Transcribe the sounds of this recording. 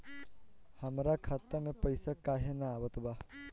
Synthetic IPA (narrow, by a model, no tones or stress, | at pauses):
həmɾakʰat̪ːəmẽpəjsakaːɦenaːʋət̪ba